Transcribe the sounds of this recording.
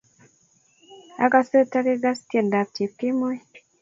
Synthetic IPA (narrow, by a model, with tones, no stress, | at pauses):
a˦ka˨se˦ta˦ke˦ɡa˦stje˨nda˨p̚t͡ʃi˨kːɪ˦mo˦j